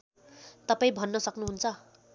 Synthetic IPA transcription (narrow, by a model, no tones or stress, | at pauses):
t̪ʌpaĩbʱʌnːʌsʌknuɦunt͡sʰʌ